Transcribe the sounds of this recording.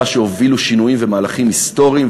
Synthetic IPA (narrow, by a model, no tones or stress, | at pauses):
ʃeo̞viluʃinujimvemaːlaχimhist̪o̞ʁiːm